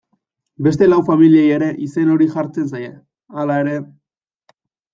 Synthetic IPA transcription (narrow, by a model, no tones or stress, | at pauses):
be̞st̪e̞lawfamiliejeɾe̞ʔise̞no̞ɾiʝaɾt͡se̞nsaje | alae̞ɾe̞